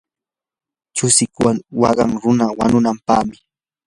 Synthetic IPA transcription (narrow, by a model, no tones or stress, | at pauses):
t͡ʃʊsɪkwanwɑ̰ɢɑŋɾʊnawa̰nʊnampaːmɪ